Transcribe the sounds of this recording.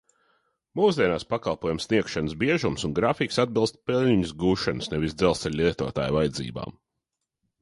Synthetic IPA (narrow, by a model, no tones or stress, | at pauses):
muːzd̪ʲiɛnaːspakalˠpuɔjumsniɛkʃanəsbiɛʒumsunɡɾafiksad̪̚bilˠst̪̚pɛlʲɲʲiɲuzɡuːʃanusnɛvisd̪zɛlˠsɛʎʲliɛt̪uɔt̪a̰ːjvajd̪zḭːba̰ːm